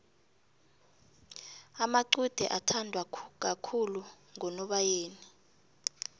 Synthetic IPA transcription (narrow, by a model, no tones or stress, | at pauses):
amaǀud̥ʱɛ̰ʔatʰandʱwak̬akʰulu | ŋɔnɔɓajeːni